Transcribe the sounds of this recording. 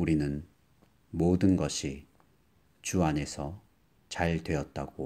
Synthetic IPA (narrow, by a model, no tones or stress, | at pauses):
uɾinɯn | modɯnɡʌɕʰi | t͡ɕuane̞sʰʌ | t͡ɕaɭdwe̞ʌt̚t͈aɡ̥o